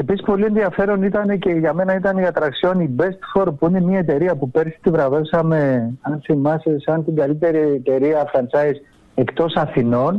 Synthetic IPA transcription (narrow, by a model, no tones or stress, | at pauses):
e̞pisispo̞lie̞nðiɐfe̞ɾo̞nit̪ɐne̞ce̞ʝɐme̞nɐit̪ɐnikɐt̪ɐɾɐksio̞nibest̪fo̞ɾpuine̞miɐet̪e̞ɾiɐpupe̞ɾsi̥t̪ivɾɐve̞fsɐme̞ɐnθimɐsesɐnt̪iɡɐlit̪e̞ɾit̪e̞ɾiɐfɾɐnsɐjs | e̞kt̪o̞sɐθino̞n